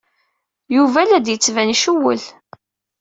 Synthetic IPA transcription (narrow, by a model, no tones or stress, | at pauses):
juvælæd̪jət͡sːvænʃuwə̰l